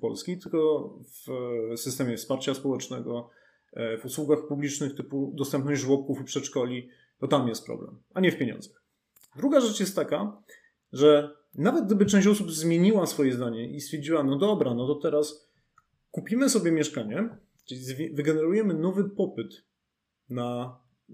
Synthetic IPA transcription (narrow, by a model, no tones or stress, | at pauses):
pɔ̰lskʲit̪ɘlkɔvsɘst̪ɛmʲjɛfspaɾt͡ɕaspɔwɛt͡ʂnɛɡɔ | vuswuɡaxpublʲit͡ʂnɘxt̪ɘpud̪ɔst̪ɛmpnɔʑd͡ʑʐwɔp̚kufpʂɛt̪ʂkɔlʲi | t̪ɔt̪amjɛst̪̚pɾɔ̰blɛ̰m | aɲɛfpʲjeɲɔ̰̃nzɛ | d̪ɾuɡaʐɛt͡ʂjɛst̪t̪ːaka | ʐɛ | navɛt̪ɡ̚d̪ɘbɘt͡ʂɛ̃ɕt͡ɕɔsubzmʲjeɲiwasfɔjɛzd̪aɲɛʔist̪fʲjɛɾd͡ʑiwanɔd̪ɔbɾanɔt̪ɔt̪ɛɾas | kupʲimɘsɔbʲjɛmʲjɛʂkaɲɛ | t͡ʂɘizvʲvɘɡɛnɛɾujɛmɘnɔvɘpɔpɘt̪ | na